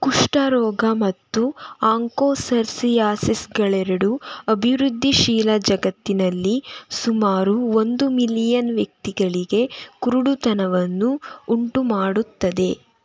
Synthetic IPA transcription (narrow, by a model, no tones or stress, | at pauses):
kuʂʈɐɾɔːɡɐmɐt̪ːuaːŋkoːsɐɾsijaːsisɡɐɭɛɾɐɽuɐbʱiʋɾud̪ʱːiʃiːlɐd͡ʒɐɡɐt̪ːinɐlːisumaːɾuo̞nd̪umilijɐnʋjɐk̚t̪iɡɐɭiɡe̞kuɾuɽut̪ɐnɐʋɐnːuːɳʈumaːɽut̪ːɐd̪e̞